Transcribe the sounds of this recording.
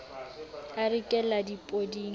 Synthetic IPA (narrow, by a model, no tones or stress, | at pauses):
arɪkʼɛladipʼodiːŋ